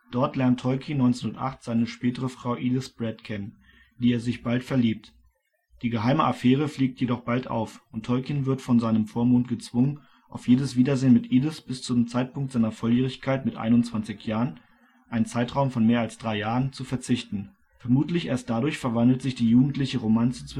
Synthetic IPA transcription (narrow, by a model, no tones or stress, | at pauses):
d̥ɔɐtlɛɐntʰɔʏkʰinɔʏnt͡senʊɐtʔa̰χtz̥aɪnəʃpɛːtəʁəfʁ̥aʊʔiːlɪsb̥ʁɛtkʰɛnən | d̥iːeːɐzɪçb̥altfɛɐliːp̚t | d̥iːɡəɦaɪməʔafɛːʁ̞əfliːk̚tʰjedɔχb̥altʔa̰ʊfʔʊntʰhɔlkinvɪɐtfɔnzaɪnəmfoːɐmoːntɡ̥ət͡sv̥ʊŋən | ʔaʊfjeːdəsv̥iːdɐzeːnmɪtʔiːdɪsb̥ɪst͡sʊmt͡saɪt̚pʊŋktz̥aɪnɐfɔljeːʁɪçkʰaɪtmɪtʔa̰ɪnʊntt͡sv̥ant͡sɪçjaːʁən | ʔaɪnt͡saɪtʁ̥aʊmfɔnmeːɐalsd̥ʁaɪjaːʁənt͡sufɛɐt͡sɪçtn̩ | fɛɐmuːtlɪçʔeːɐst̚d̥adʊɐçfɛɐvandl̩tz̥ɪçd̥iːjuːɡŋ̩tlɪçəʁomant͡st͡s